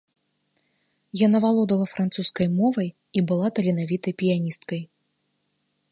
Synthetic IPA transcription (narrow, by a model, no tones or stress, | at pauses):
janavalˠɔd̪ɐlˠɐfɾant̪suskɐjmɔvɐj | ibɨlˠat̪ɐlʲinavʲit̪ɐjpʲijanʲist̪̚kɐj